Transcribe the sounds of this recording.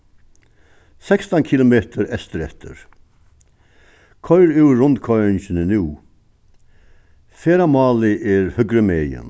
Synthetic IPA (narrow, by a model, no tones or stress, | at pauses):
sɛkst̪ankʰilʊmeːt̪əɾɛst̪əɾɛ̰ht̪ʰə̰ɾ | kʰɔʏɾʉwɾʊnt̪kʰɔənɕɪnənʉː | feːɾamɑːlɪʔɛɹhʏɡɾəmeːjə̰n